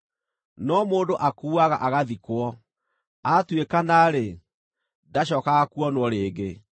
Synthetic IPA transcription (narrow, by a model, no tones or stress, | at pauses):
nɔmoːndoʔakuːaɣa̰ʔaɣaðikwɔ | atwekanaɾe | daɕ̬ɔkaɣakuɔnwɔɾeːɡe